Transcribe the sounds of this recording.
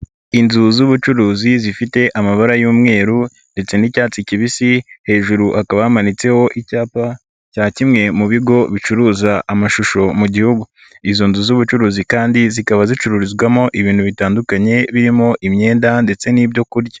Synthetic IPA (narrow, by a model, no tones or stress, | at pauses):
inzuzuβut͡ʃuɾuːzizifite̞ʔamaβaɾajuːmŋe̞ːɾu | nde̞t͡se̞nicaːt͡siciβisihe̞ːʒuɾuʔakaβahamanit͡se̞ho̞ʔicaːpa | caːcimŋe̞muβiɡo̞βit͡ʃuɾuːzaʔamaʃuʃo̞muɟihuɡu | izo̞nzuzuβut͡ʃuɾuːzikaːndizikaβazit͡ʃuɾuɾizɡwamo̞ʔiβiːnhuβitaːndukaɲe̞βiɾimo̞ʔimɲe̞ːndande̞t͡se̞niːbjo̞kuɾɟḁ